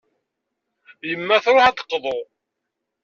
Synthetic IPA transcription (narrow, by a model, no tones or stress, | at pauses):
jəmːæθɾˤoħad̪ə̥qːðˤo